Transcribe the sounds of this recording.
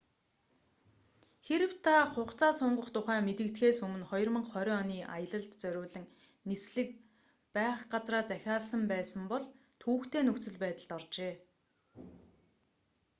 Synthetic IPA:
xeɾɘ̆w̥t̪ʰaχʊχt͡sʰaːsʊɴɢə̆χt̪ʰʊχæːmet̪ɘ̆kt̪xeːsɵmɘ̆nχɔjɞ̆rmə̆ɴχɔɾʲɔːɔniːʔajə̆ɮə̆ɮt̪t͡sœɾʲʊːɮɘ̆ŋ | nisɮɘ̆k̚ | pæːχɢat͡sraːt͡sæxʲaːɮsə̆mpæːsə̆mpɔɮ | t̪ʰuːxt̪ʰeːnɵkt͡sɵ̆ɮpæːt̪ə̆ɮ̥t̪ɔrt͡ɕeː

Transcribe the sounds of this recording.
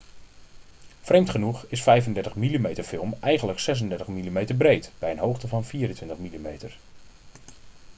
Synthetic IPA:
frejmtχənuχɪsfɛjvəndɛɹtəχmilimejtəɹfɪlˠmɛjχənləksɛs̬əndɛɹtəχmilimejtəɹbrejtb̥ɛjənɦowχtəvɑnfiːrəntʋɪntəχmilimejtəɹ

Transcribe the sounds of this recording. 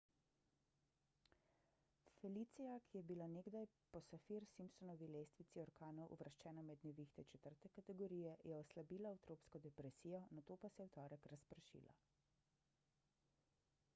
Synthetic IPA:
fɛliːt̪sijakʰijɛbilaneɡd̪aj | pɔsafiɾsimpsɔnɔʋilest̪ʋit̪siɔɾkaːnɔwʔṵʋɾʃt͡ʃɛːnamɛd̪nɛʋixt̪ɛt͡ʃɛt̪əɾt̪ɛkat̪ɛɡɔɾiːjɛjɛɔslabiːlaawt̪ɾoːpskɔd̪ɛpɾɛsiːjɔnat̪oːpasɛjwt̪ɔːɾɛkɾaspɾʃḭːla̰

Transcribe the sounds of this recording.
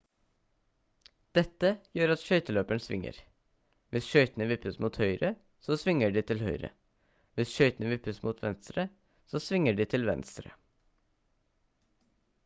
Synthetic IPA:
d̪̥ɛt̪ːəjøːɾɑt̪ʃœʏt̪əløːpəɳsʋɪ̰ŋːə̰ɾ | ʋɪsʃœʏt̪ənəʋɪpːəsmuːt̪hœʏɾə | soːsʋɪŋəɖiːt̪ʰɪlhœʏɾə̰ | ʋɪsʃœʏt̪ənəʋɪpːəsmuːt̪ʰʋɛnst̪ɾə | soːsʋɪŋəɖiːt̪ʰɪlʋɛ̰nst̪ɾə̰

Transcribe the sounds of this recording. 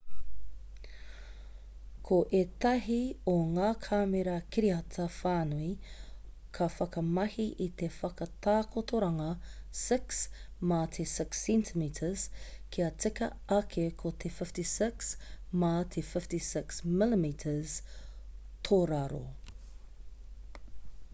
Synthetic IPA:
kʰoʔet̪ɐɦioŋaːkʰaːmeɾɐkʰiɾiɐtʰɐfaːnui | kʰɐfɐkɐmɐhiʔit̪efɐkɐt̪ʰaːkot̪ʰoɾɐŋɐsɪksmɐt̪ʰesɪksɛ̃ntʰimitʰəz̥kʰiɐt͡sɪkɐ | ɐkʰekʰot̪ʰefɪftisɪksmɐt̪ʰefɪftisɪksmɪlimitʰəz̥ | t̪ʰoːɾɐɾo̰

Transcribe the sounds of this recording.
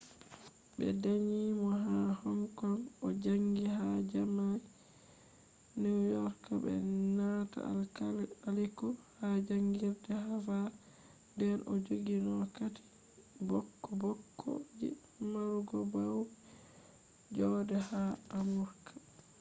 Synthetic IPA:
bɛ̰daɲiːmɔɦahɔŋkɔnɔd͡ʒaŋɡihad͡ʒamaj | niwjɔɾkabɛ̰nata̰alalikɔhad͡ʒaŋɡiɾdɛhafa | dɛnʔɔ̰d͡ʒoɡinɔkati̥ | bɔkːɔbɔkʰːɔ̰d͡ʒḭ | maɾuɡɔbaw | d͡ʒɔdɛhaamuɾkḁ

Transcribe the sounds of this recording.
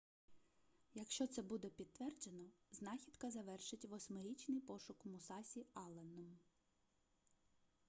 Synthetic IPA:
jɐkʃt͡ʃɔt̪sɛbud̪ɛpʲid̪̚t̪ːʋɛrd͡ʒenɔznɑxʲid̪kɐzɐʋɛrʃɪtʲʋɔsʲmɪɾʲit͡ʃnɪjpɔʃʊkmʊsɑsʲiɑlˠenɔm

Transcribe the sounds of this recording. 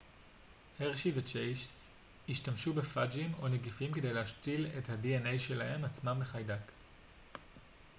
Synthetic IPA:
heʁʃivet͡ʃejʃs | iʃtamʃubefad͡ʒimo̞neɡifimkede̞jlehaʃtile̞thadiene̞jʃe̞lahe̞mat͡smambeχajdak

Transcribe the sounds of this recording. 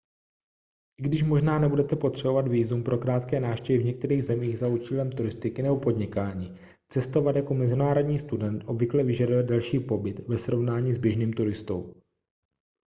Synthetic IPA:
ʔɪɡdɪʃ̬mo̞ʒnaːnɛbudɛt̪ɛpo̞t̪r̝̥ɛbo̞vat̪viːzumpɾʔo̞kɾaːt̪kɛːnaːfʃcɛvɪvɲɛk̚t̪ɛɾiːɣzɛmiːɣzaut͡ʃiːlɛmt̪uɾɪst̪ɪkɪnɛbo̞po̞dɲɪkaːɲiː | t͡sɛst̪o̞vat̪jako̞mɛzɪnaːɾo̞dɲiːst̪udɛnt̪ʔo̞bvɪklɛvɪʒadojɛd̪dalʃiːpo̞bɪt̪vɛsɾo̞vnaːɲiːzbjɛʒniːmt̪uɾɪst̪o̞̰w

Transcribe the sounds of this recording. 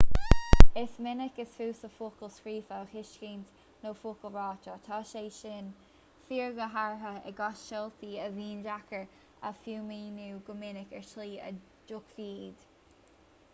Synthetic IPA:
ɪsmɪnɪkəsfuːsəfuːkəlskɹiːfahɪʃkiːnt̪ | noːfuːkəlˠɹɑːtɔt̪ʰɑːʃeːʃɪn | fiːɹɡəɦaɹɦəɛ̰ɡɑsʃɛlt̪iːəviːnd͡ʒakəɹ | əfjuːmiːnuːɡəmɪnɪkɛɹtliːə̰ | d͡ʒʊkfiːd̪̥

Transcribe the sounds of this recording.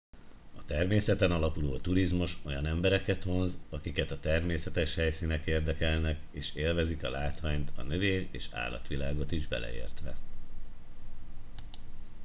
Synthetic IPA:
ɒt̪ɛrmeːsɛt̪ɛnɒlɒpulo̰ːɒt̪uɾizmuʃo̞jɒnɛmbɛɾɛkɛt̪ho̞nzɒkikɛt̪ɒt̪ɛrmeːsɛt̪ɛʃhɛjsinɛkeːrd̪ɛkɛlnɛkeːʃeːlvɛzikɒlaːt̪ʋaːɲt̪ɒ̰nøveːɲḛːʃa̰ːlɒ̰t̪ʋilaːɡo̞t̪iʒbɛ̰lʔɛ̰ḛːrt̪ʋɛ̰

